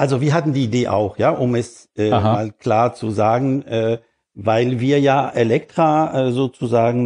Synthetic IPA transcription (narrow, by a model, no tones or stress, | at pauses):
ʔalzoviːɐɦatn̩diːideːʔa̰ʊxjaːʔʊmɛs | ʔɛːmaːlkl̥aːɐt͡suzaːɡŋ̩ʔɛː | vaɪlviːɐjaːʔelɛktʁ̥aɛːzoːt͡suzaːɡŋ̩